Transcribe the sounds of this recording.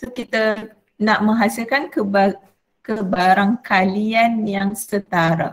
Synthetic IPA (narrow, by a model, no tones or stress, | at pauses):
sokit̪a | naʔmə̃ŋɦasilkankəba | kəbaɾaŋkalianjaŋsət̪aɾa̰